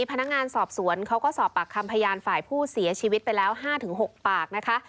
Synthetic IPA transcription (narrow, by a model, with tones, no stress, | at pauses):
i˧pʰa˧na˦˥k̚ŋaː˧nsɔː˨˩p̚su˩˦ənkʰa˦˥wkɔː˥˩sɔː˨˩pːa˨˩kʰːa˧mpʰa˧jaː˧nfaː˨˩jpʰuː˥˩si˨˩˦ɐt͡ɕʰiː˧wi˦t̪̚pa˧jlɛː˦˥wɦaː˥˩t̪ʰɯ˩˦ŋɦo˨˩k̚paː˨˩k̚na˦˥kʰa˦˥ʔ